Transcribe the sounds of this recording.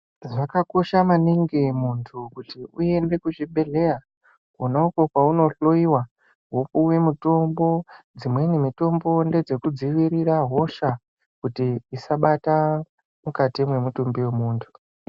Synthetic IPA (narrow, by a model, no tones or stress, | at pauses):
ʐakako̞ʃamaniŋɡemuntʰukutiue̞nde̞kut͡ʃiɓe̞ɮe̞ja | konauko̞kwauno̞ɬo̞iwa | ɦokuwe̞muto̞mbo̞d͡zimwe̞nemito̞mbo̞nde̞d͡ze̞kud͡ziʋiɾiɾaɦo̞ʃa | kutiisaɓata | mukatimwe̞mutumbiwe̞muːntʰu̥